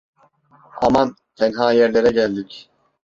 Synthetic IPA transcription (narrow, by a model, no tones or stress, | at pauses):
a̰man | t̪ʰɛnɦaːjɛɾlʲeɾɛɟælʲd̪ic